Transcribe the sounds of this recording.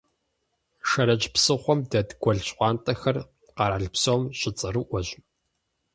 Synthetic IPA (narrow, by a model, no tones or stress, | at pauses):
ʃɐɾɐd͡ʒpsɨχʷɔmdɐdɡʷɔɮɕʼqʷɑːntʼɐxɐr | qɑɾaːɮpsowmɕʼɪt͡sʼɨɾɨʔʷɔʑ